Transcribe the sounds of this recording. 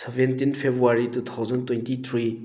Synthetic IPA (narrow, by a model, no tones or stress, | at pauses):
sevent̪infʰepwarit̪ət̪ʰoχzont̪ont̪it̪ʰori